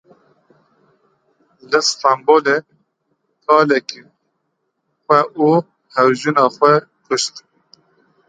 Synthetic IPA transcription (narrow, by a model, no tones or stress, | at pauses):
lɨst̪ɑmboːle | kʰɑːlɛki | xʷɛʔuː | hɛwʒunɑːxʷɛ | kʰʊʃt̪